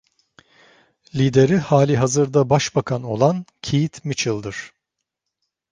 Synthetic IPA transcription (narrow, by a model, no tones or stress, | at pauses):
lʲiːd̪e̞ɾihaːlʲiɦazɯɾd̪abaʃbakʰano̞lˠancʰijit̪mit͡ʃʰɯlˠd̪ɯɾ̥